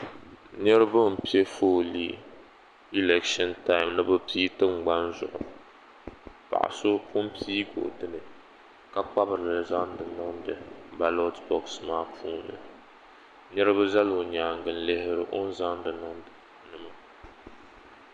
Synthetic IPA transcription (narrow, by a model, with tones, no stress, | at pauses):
ɲɛ˦ɾɨ˦bɨ˦m̩˨pi˦e˦foː˦liː˦ | i˦lɛ˨kʃɔ˦nta˦ɪ˨mnɨ˦bɨ˦piː˦tɨ˦ŋ͡mɡ͡ba˦nzʊ̰˨ʔʊ̰˨ | pa̰˨ʔa̰˨so˦pʰʊ˦mpʰiː˦ɡo̰˨ʔdɨ˦nɨ˨ | ka˦k͡pa˦bɨ˨ɾɨ˨lɨ˨za˦ndɨ˨nɨ˦ŋdɨ˨ba˨lo˦tbɔ˨ksmaː˦pʰuː˦nɨ̰˨ | ɲɛ˦ɾɨ˦bɨ˦za˦lo˨ɲaː˨ŋɡɨ˨n̩˦le˦hɪ˦ɾɨ˦ʔo˦n̩˦za˦ndɨ˨nɨ˦ŋdɨ˨nɨ˨ma˨